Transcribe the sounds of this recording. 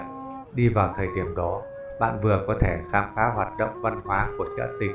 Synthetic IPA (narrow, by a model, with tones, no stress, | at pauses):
ɗi˧vaː˨˩wt̪ʰəː˨˩jɗi˨˧˩əmɗɔ˨˦ | ɓa̰ː˧˨nvɨ˨˩əkɔ˨˦t̪ʰe˧˩xaː˧mxaː˨˦ɦwaː˨˩t̚ɗə̰˧˨wŋ͡mva˧nhwaː˨˦ku˧˩ət͡ɕa̰˧˥t̪ï˨˩